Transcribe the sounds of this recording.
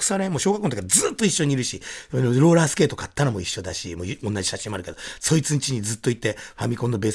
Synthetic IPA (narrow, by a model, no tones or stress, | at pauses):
kɯ̥saɾẽmoɕo̞ːɣakont̪okiazɨːt̪ːo̞iɕːoɲ̟iɾɯ̟ɕinoɾo̞ːɾaːsɨ̥ke̞ːt̪okat̪ːaɾamo̞iɕːo̞d̪aɕḭmoːonːad͡ʑi̥ɕaɕĩmoaɾɯ̟ke̞d̪oso̞it͡sɨɲit͡ɕiɲ̟id͡zɨt̪ːo̞it̪ːe̞hamʲikõ̞nːo̞be̞ːs